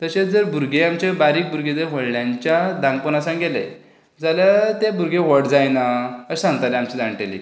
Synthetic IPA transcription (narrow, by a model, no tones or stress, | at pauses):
t̪əɕet͡sd͡zəɾbuɾɡeamt͡ɕabaɾiːk̚buɾɡed͡z̪əʋəɽljãɲt͡ɕjad̪ãŋɡ̚pənasãŋɡelḛ | d͡zaljat̪ebʱuɾɡeʋəɽd͡zajnaəsãŋɡt̪aleamt͡ɕid̪ãŋʈelḭ